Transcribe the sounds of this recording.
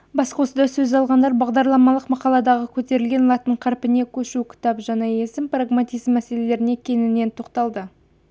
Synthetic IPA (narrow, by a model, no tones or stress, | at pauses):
bɑsqosəd̪ɑsɵzɑlˠʁɑnd̪ɑɾbɑʁd̪ɑɾlˠɑmɑlˠəqmɑqɑlˠɑd̪ɑʁəkʲʰɵt̪e̞ɾɪlɡʲe̞nlˠɑt̪əɴqʰɑɾpɪne̞kʲʰɵʃukʲʰʊ̥t̪ɑpʒɑneje̞sɪmpraɡmat̪ʲijzmːæse̞le̞le̞ɾɪne̞kʲʰe̞nɪne̞nt̪ʰo̞qt̪ɑlˠd̪ə